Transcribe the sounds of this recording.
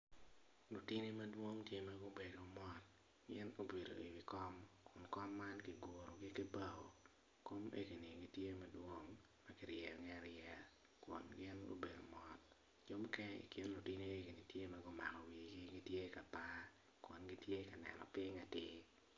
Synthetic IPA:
lo˨ti˦ni˦ma˦dwo˦ŋtje˦ma˦ɡo˦be˨do˨mɔ˦t̚ | ɡɪ˦no˦be˨do̰˨ḭ˨wi˨kɔ˦mkʰʊ˨nkɔ˦mːa˦nkɪ˨ɡo˨ɾo˨ɡɪ˦kɪ˦ba˦wo˨ | ko˦mʔḛ˦ki˨ni˨ɡi˦tje˦mɐ˦dwo˦ŋ | mɐ˦kɪ˨ɾjɛ˨ŋɛ˦a˦ɾjɛ˨ | kwʊ̰˨nɡɪ˦no̰˦be˨do˨mɔ˦t̚ | d͡ʒo˦m˦kɛ˦nḭ˨kɪ˦nlʊ˨ti˦ne˦e˦ki˨ni˨tje˦ma˦ɡo˦ma̰˨kɔ˨wi˨ɡɪ˦ɡi˦tje˦ka˨ta˦ | kwo˨nɡɪ˦tje˦ka˨nɛ̰˨nɔ̰˨pɪ˦ŋa˨tɪ˦

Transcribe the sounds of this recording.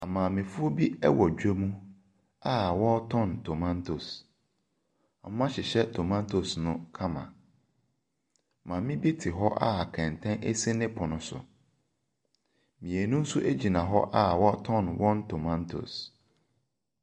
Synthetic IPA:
a˨mã˨mɪ̃˨fʊ˦o˦bi˦ɛ˦wɔ˨d͡ʑᶣe˦mũ˦ | a˦˨wɔ˦tʰɔ̃˦˨ntʰo˨mã˦ntʰo̰˨s | m̩˦mã˦ɕɪ˨ɕɛ˦tʰo˨mã˦ntʰo˨snʊ̃˦kʰã˦mã̰˨ | mã˨mɪ̃˦bi˦tʰɪ˨ɦɔ˦ʔa̰˦a˨kʰɛ̃˨n˨tʰɛ̃˦nʔe˦se˦nɪ̃˦pʰʊ˨nʊ̃˨˦sʊ̰˨ | mĩ˨e˨nũ˦n̩˦sʊ˦ʔe˦d͡ʑi˨nã˨ɦɔ˦ʔa˦wɔ˦tʰɔ̃˦˨nwʔɔ̃˦ntʰo˨mã˦ntʰo̰˨s

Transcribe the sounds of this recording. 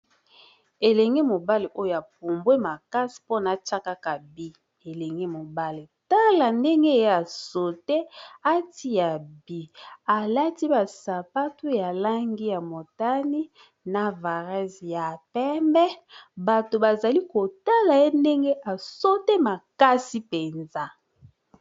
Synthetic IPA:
e˨le˨ŋɡe˦mo˨ba˦le˨ʔo˦jo˨a˨p̚o˨mbwe˦ma˨ka˦si̥˨po˦na˨t͡ʃa˦ka˦ka˨bi˦ | e˨le˨ŋɡe˦mo˨ba˦le˨ta˦la˨nde˦ŋɡe˦˨je˦a˨so˨te˦a˦ti˦ja˨bi˨a˨la˦ti˦ba˨sa˨pa˦tu˦ja˨la˦ŋɡi˦ja˨mo˨ta˦ni˦ | na˨va˨ʁɛ˦zja˨pɛ˦mbɛ˦ba˨to˨ba˨za˨li˦ko˨ta˦la˨je˦nde˦ŋɡe˦ʔa˨so˦te˦ma˨ka˦si˦pe˨nza˦

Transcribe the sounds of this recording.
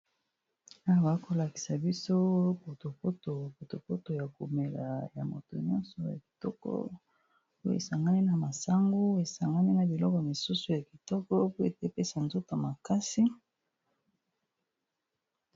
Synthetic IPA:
a˦˨a˨˦ko˨la˨ki̥˨sa˨bi˦so˦po˨to˨po˦to˨po˨to˨po˦to˨ja˨ku˨me˨la˨ja̰˨mo˨to˨ɲɔ˦nsɔ˨ja̰˨ki̥˨tɔ˦kɔ̰˦ | po˦ḛ˨sa˨ŋɡa˦ni˦na˨ma˨sa˦ŋɡu˦e˨sa˨ŋɡa˦ni˦na˨bi˨lɔ˦kɔ˨mi˨su˦su˨ja˨ki˨tɔ˦kɔ˦po˦e˨te˦pe˦sa˨nzo˦ta˨ma˨ka˦si˦

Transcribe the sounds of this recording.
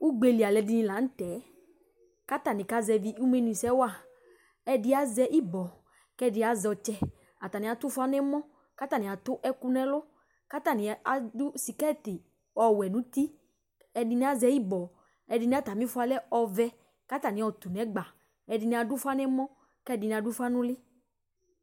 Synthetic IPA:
u˦ɡ͡be˧li˨a˨lɛ˨di˧nĩ˧la˨˦n̩˦t̪ɛ˨˦ | ka˦t̪a˨nĩ˨ka˦zɛ˧vi˦u˦me˦nũ˨sɛ˦wa˦˨ | ɛ˧dɪ˦a˨zɛ˧ʔi˦bɔ˨ | kɛ˦˨dɪ˧˦a˨zɔ˧t͡ʃɛ˧ | a˨t̪a˨nĩ˨˦a˨t̪ʊ˦fʊ˦a˦nɛ˦mɔ̃˦ | ka˦t̪a˨nĩ˨a˨t̪ʊ˦ʔɛ˦ku˦nɛ˦lʊ˦ | ka˦t̪a˨nɪ̃˨a˨dʊ˦si˨kɛ˦˨t̪ɪ˨ | ɔ˨wɛ˨nũ˦t̪i˦ | ɛ˨dɪ˧nĩ˦a˨˦zɛ˧i˦bɔ˨ | ɛ˨dɪ˨˧nĩ˦a˨t̪a˨mĩ˦fʊ˦a˨lɛ˦ɔ˨vɛ˦ | ka˦t̪a˨nɪ̃˨˦ɔ˨t̪u˨nɛ̃˨˦ɡ͡ba˨ | ɛ˨dɪ˧nĩ˧˦a˨dʊ˦fa˦nɛ˦mɔ̃˦ | kɛ˦˨dɪ˨nĩ˨a˨dʊ˦fa˦nʊ̃˦lɪ˦

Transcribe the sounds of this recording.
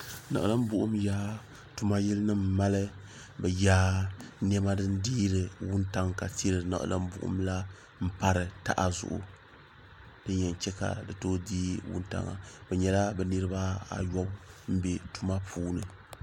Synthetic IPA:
na˨ʔla˦m˦bʊ˦ʔʊ˦mjaː˦ | tu˦ma˦ji˦lɨ˦nɨ˦mː˨a˦lɨ˦ | bɛ˨jaː˦n˦ɛ˦ma˦dɨ˦n˦diː˦ɾɨ˨wʊ˦nta˦ŋka˨ti˦ɾɨ˨na̰˨ʔla̰˦m˦bʊ̰˨ʔʊ̰˦mla˦ | m̩˦pa˦ɾɨ˨ta̰˦˨ʔa˨zʊ̰˨ʔʊ̰˨ | d̥ɨ˦ɲɛ˨n˨t͡ʃɛ˦ka̰˨dɨ˨toː˦diː˦wʊ̰˦nta̰˨ŋa̰˨bɛ˨ɲɛ˨la˦bɛ˨nɨ˦ɾɨ˦ba˦a̰˨jɔ˦bm̩˦be˨tu˦ma˦pʰuː˦nɨ˨

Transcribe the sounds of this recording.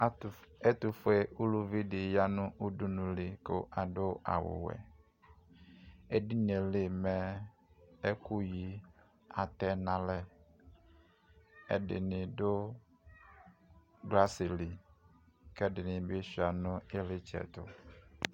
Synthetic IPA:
ɛ˦t̪ʊ˨fʊ˦e˦u˦lu˦vi˦dɪ˨ja˦nʊ̃˦ʔu˦du˦nũ˨lɪ˨kʊ˦ʔa˨dʊ˦ʔa̰˨wʊ̰˨wɛ̰˨ | e˦di˦n˨e˨lɪ˦mɛ˦ | e˦ku˦ji˦ | a˨t̪ɛ˦nã˦lɛ˦ | ɛ̰˨dɪ̰˨nɪ̃˨dʊ˦ | ɡla˦sɪ˨li˨ | kɛ˦dɪ˨nɪ̃˨be˦si˨a˨nʊ̃˦e˦lɪ˦t͡ʃɛ̰˨t̪ʊ̰˨

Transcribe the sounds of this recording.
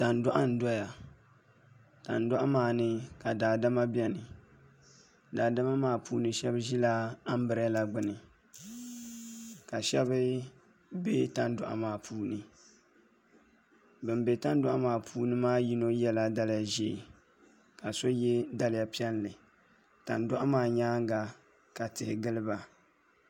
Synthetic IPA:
ta˨ndʊ˦ʔa˦n̩˨dɔ˦ja˨ | ta˨n˨dʊ˦ʔa˦maː˦˨nɨ˦ka˨daː˨da˦ma˦bɛ˦nɨ˨ | daː˨da˦ma˦maː˦pʰuː˦nɨ˦ʃɛ˦bʒi˦la˦a˦m˦bɨ˨ɾɨ˦a˦la˨ɡ͡bɨ˦nɨ˨ | ka˨ʃɛ˦bɨ˦ | be˦ta˦n˦dʊ˨ʔa̰˨maː˦˨pʰuː˦nɨ˨ | bɨ˨mbe˨ta˦n˦dʊ˦ʔa˦maː˦˨pʰuː˦nɨ˦maː˦ji˦no˦jɛ˦la˦da˦la˨ʒe˦˨ | ka˨so˦jɛ˦da˦lɪ˦ja˨pi˦ɛ˦n˦lɨ˨ | ta˨ndʊ˦ʔa˦maː˦ɲaː˦ŋ˦ɡa˨ | ka˨tɨ˨hɪ˨ɡɨ˦lɨ˦ba˨

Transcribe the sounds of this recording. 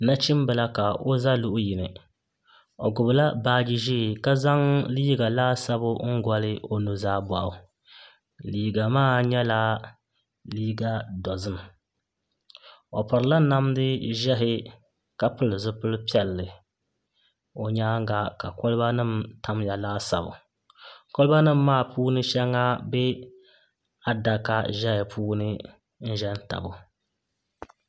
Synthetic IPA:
na˦t͡ʃi˦m˦bɨ˨la˦ka˨o˦za˦lu˦ʔji˨nɨ˨ | o˨ɡʊ˨bɨ˨la˦baː˦d͡ʒi˦ʒi˦˨ka˦za˦ŋliː˦ɡa˨laː˦sa˦bʊ˦ŋ̩˦ɡʷɔ˦lɨ˦o˦nu˦zaː˦ba˨ʔʊ˨ | liː˨˦ɡa˨maː˦˨ɲɛ˦laː˦ | liː˦ɡa˦dɔ˨zɨ˦m˨ | o˨pa˨ɾɨ˨la˦na˦mdɨ˦ʒɛ˦ɦɪ˦ | ka˦pɨ˦lɨ˨zɨ˦pɨ˦lpi˦ɛ˨lːɨ˨ | o˨ɲaː˦ŋ˦ɡa˦ka˨kɔ˦lɨ˦ba˦nɨ˦˨mtʰa˦m˦ja˨laː˦sa̰˨bʊ̰˨ | ko˦lɨ˦ba˦nɨ˦˨mːaː˦˨pʰuː˦nɨ˦ʃɛ˦ŋa˦bɛ˦ | a˦da˨ka˦ʒɛ˦hɪ˨pʰuː˦nɨ˦ | n̩˦ʒɛ˦n̩˦ta̰˨bʊ˨

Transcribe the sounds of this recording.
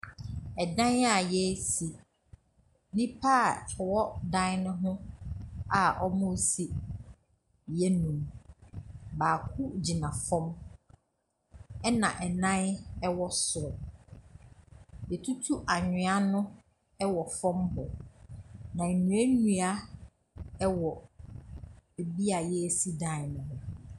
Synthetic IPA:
ɛ˨dã˦na˨jɛ˦si˨ | nĩ˦pʰaː˦˨wɔ˦dã˦nnʊ̃˦ɦʊ̃˦ | a˨ʔɔ˦mʊ̃˦˨si˨ | jɛ˦nũ˨m | baː˨kʰʊ˦d͡ʑi˨nã˨fɔ̃˦m | ɛ˦nã̰˨ʔɛ˨nã˦nɛ˦wɔ˦sʊ˨ɾɔ˨ | jɛ˨tʰu˦tʰu˦ʔa˨ɲᶣɪ̃˨a˦nʊ̃˦ | ɛ˦wɔ˨fɔ̃˦mbɔ˨ | nã˨nũ˨˦æ˦nũ˨a˦ | ɛ˦wɔ˨ | e˨bi˦a˨jɛ˦˨si˦dã˦˨˦nʊ̃˨ɦʊ̃˦

